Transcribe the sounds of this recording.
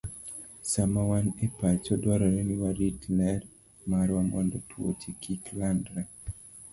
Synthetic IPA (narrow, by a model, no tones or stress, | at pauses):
samawanɛpat͡ʃɔdwaɾɔɾeniwaɾitlɛr | maɾwamɔ̰ndɔtwo̰tʰikiklandɾa